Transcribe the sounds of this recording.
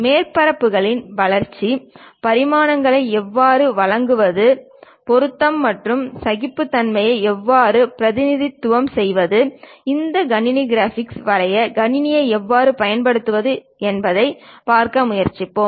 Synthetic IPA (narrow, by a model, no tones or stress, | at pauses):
meːrpɐɾɐpːɯɣɐɭɪnʋɐɭɐɾt͡ʃːipɐɾɪmaːnɐŋɡɐɭɐɪɛʋːaːɾɯʋɐɭɐŋɡɯʋɐðɯ | pɔɾɯt̪ːɐmːɐʈrɯmsɐɣɪpːɯt̪ːɐnmɐjɐɪɛʋːaːɾɯpɪɾɐðɪnɪðɪt̪ːʊʋɐmsɛjʋɐðɯɪnd̪ɐɡɐnɪniɡɪɾaːfɪksʋɐɾɐjɐɡɐnɪnɪjɐɪɛʋːaːɾɯpɐjɐnpɐɽɯt̪ːɯʋɐðɯ | ɛnbɐðɐɪpaːɾkɐmʊjɐɾt͡ʃɪpːoːm